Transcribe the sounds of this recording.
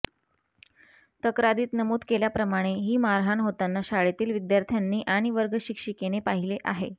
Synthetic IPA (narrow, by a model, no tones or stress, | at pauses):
t̪əkɾad̪iːt̪nəmuːd̪keljapɾəmaɽ̃eɦiːmaɾɦanɦot̪anːaɕaɭet̪iːlʋid̪jaɾt̪ʰjanːiːʔaɽ̃iʋəɾɡəɕikʂikenepaɦileʔaɦḛ